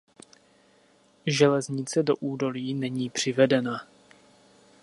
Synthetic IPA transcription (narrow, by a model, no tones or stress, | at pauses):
ʒɛlɛzɲɪt͡sɛdo̞̰ʔuːdo̞liːnɛɲiːpr̝̥ɪvɛdɛna